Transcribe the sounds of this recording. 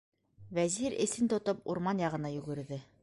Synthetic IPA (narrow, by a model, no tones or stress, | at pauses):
væziɾɘ̰̆sɘnt̪ŏt̪opṵɾmɑnjɑʁɤ̆nɑjʉ̆ɡɘ̆ɾðɘ